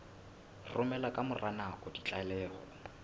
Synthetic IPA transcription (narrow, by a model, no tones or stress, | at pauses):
rʊmɛlakʼamʊranakʼɔdit͡ɬʼalɛːhɔ̰